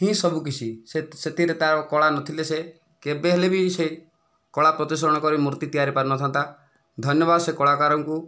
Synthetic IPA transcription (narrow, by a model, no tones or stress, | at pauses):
tĩsɔbuk̬it͡ʃʰiseset̪ʰiɾet̪aɾɔkɔɭanɔt̪ʰilese | kebeɦelebise | kɔɭapɾɔt̪isɔɾɔɽ̃ɔkɔɾimuɾt̪it̪ijaɾipaɾnɔt̪ʰant̪a | d̪ʱɔnjɔbad̪ɔsekɔɭakaɾɔŋku